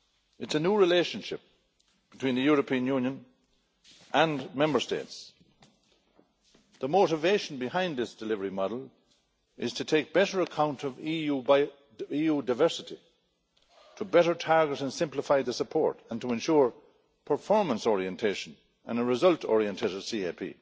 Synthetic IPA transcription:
ɨtsənjuːɹɨleʃə̃nʃɪp̚ | b̥ɪtʰw̥ĩnðɨjʊɹəpʰĩə̃njũnjə̃n | ʔə̃nmɛ̃mbə˞stḛɪts | ðəmoʊɾɨveɪʃn̩bɪhãɪ̃nðɪsd̥ɨlɪvəɹimɑɾl̩ˠ | ʔɪz̥tʰɨtʰeɪk̚b̥ɛɾə˞əkʰãʊ̃ntʰʌvijuba | ijudaɪvɜ˞sɨɾi | tʰəbɛɾə˞tʰaɹɡəɾə̃nsɪ̃mpləfaɪðəsəpʰɔ̰ɹɾə̃ntʰəɛ̃nʃuɹ | pʰə˞fɔɹmə̃nsɔɹiɛ̃ntʰeɪʃə̃n | ə̰̃nəɹɨzʌltʰɔ̰ɹiɛ̃ntʰeɪɾəv̥siepʰḭː

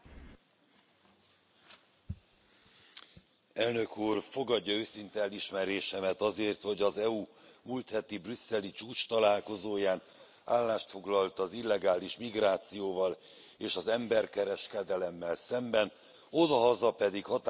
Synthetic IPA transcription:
ɛlnø̞kuːrfo̞ɡɒɟːɒøːsint̪ɛɛliʃmɛɾeːʃɛmɛt̪ɒzeːrt̪ho̞ɟɒzɛumujt̪hɛt̪ibrysːɛlit͡ʃuːt͡ʃt̪ɒlaːlko̞zoːjaːn | aːlːaːʃt̪fo̞ɡlɒlt̪ɒzilːɛɡaːliʃmiɡraːt̪sijoːvɒl | eːʃɒzɛmbɛrkɛɾɛʃkɛd̪ɛlɛmːɛlsɛmbɛn | o̞d̪ɒɦɒzɒpɛd̪ikhɒt̪

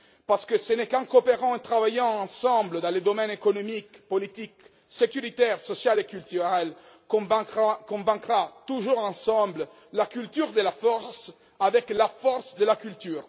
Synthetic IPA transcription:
paʁsə̥kəsənɛkɑ̃kopeʁɑ̃et̪ʁavajɑ̃ɑ̃sɑ̃bləd̪ɑ̃led̪omɛnekonomikpolit̪ik | sekyʁit̪ɛʁsosjalekylt̪yʁɛl | kvkɔ̃vɛ̃kʁat̪uʒuʁɑ̃sɑ̃blə | lakylt̪yʁd̪əlafɔʁs | avɛklafɔʁsd̪əlakylt̪yːʁ

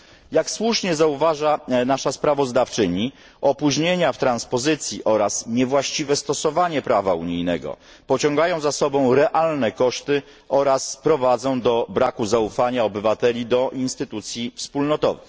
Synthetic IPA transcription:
jakswuʂɲɛzauvaʐanaʂaspɾavɔzd̪aft͡ʂɘɲi | ɔpuʑɲeɲaft̪ɾanspɔzɘt̪sʲjḭʔɔɾasɲɛvwaɕt͡ɕivɛst̪ɔsɔvaɲɛpɾava̰ṵɲijnɛɡɔ̰ | pɔt͡ɕɔ̃ŋɡajɔ̃w̃zasɔbɔ̃w̃ɾɛʔalnɛkɔʂt̪ɘ | ɔɾaspɾɔvad̪zɔ̃w̃d̪ɔbɾakuzaufaɲaɔbɘvat̪ɛlʲid̪ɔʔinst̪ɘt̪ut̪sʲjifspulnɔt̪ɔvɘ̰x

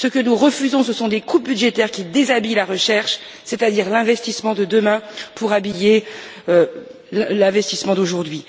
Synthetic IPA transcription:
səkənuʁəfyzɔ̃səsɔ̃d̪ekubyd̪ʒet̪ɛʁkʲid̪ezabilaʁəʃɛʁʃ | set̪ad̪iʁlɛ̃vɛst̪ismɑ̃d̪əd̪əmɛ̃puʁabijeø | llɛ̃vɛst̪ismɑ̃d̪oʒuʁd̪ɥi

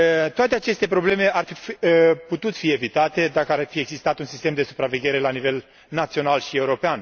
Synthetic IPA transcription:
t̪oat̪e̞at͡ʃe̞st̪e̞pɾo̞ble̞me̞ʔarfiput̪ut̪fie̞vit̪at̪e̞d̪akəarfie̞ɡzist̪at̪unsist̪e̞md̪e̞su̥pɾave̞ɡʲe̞ɾe̞lanive̞l | nat̪sio̞nalʃie̞uɾo̞pean

